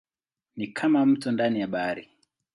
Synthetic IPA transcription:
nikʰamam̩tɔndanijaɓaɾi

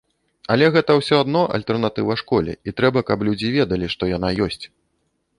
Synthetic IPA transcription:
ɐlʲɛɣɛt̪ɐwsʲɔad̪nɔʔɐ̰lʲt̪ɛrnat̪ɨvɐʂkɔlʲɛ̰it̪ɾɛbɐkɐplʲud͡zʲivʲɛd̪ɐlʲiʂt̪ɔjan̪ajɔsʲt͡sʲ

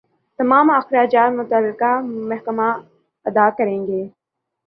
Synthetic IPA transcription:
t̪ɐmaːmɐxɾaːd͡ʒaːt̪mʊt̪əlːɪkamɐɦkəma | ɐd̪aːkɐɾẽːŋɡeː

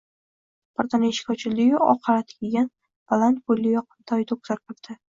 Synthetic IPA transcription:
b̥ɪɾt̪anɪeʃkʰʲɒt͡ʃʰɪlɪɪɒ̰qʰːɑɾat̪kʲʰeɡʲan | b̥alˠant̪̚bolʲːɪjɒqʰɨ̥mt̪ʰɒjt̪ʰok̚zaɾpʰɨɾd̪̥ɪ

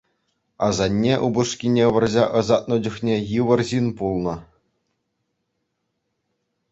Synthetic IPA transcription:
ɑzɑnʲːeʔubɤ̆ʂkʲinʲeʋɤ̆rʑɑʔɤ̆zɑt̪̚nɤ̆d͡ʑuχnʲejɯʋɤ̆rʑinpulˠnɤ̆

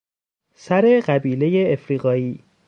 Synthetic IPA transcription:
sæɾe̞ɢæbiːle̞jeːfɾiːɣɒːiː

